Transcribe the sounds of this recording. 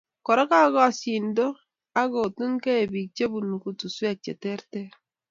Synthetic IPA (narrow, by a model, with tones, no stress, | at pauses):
kɔ˨ɾa˦ka˦ɡɔ˦a˨si˨ndo˦ | a˦ɡo˨tu˦ŋke˦e˨bi˨k̚t͡ʃe˦bu˨nu˨ku˨tu˨swɛ˦˨k̚t͡ʃḛ˨tɛ˦ɾtɛ˦ɾ